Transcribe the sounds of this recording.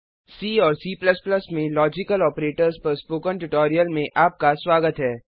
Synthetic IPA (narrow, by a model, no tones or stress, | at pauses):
siːɔːɾsiːpləsplɐsmẽlɔːd͡ʒɪkəlɔːpɾeːʈəɾzpɐɾspoːkə̃ɳʈʊʈɔːɾijəlmẽʔaːp̚kaswaːɡət̪ɦɛː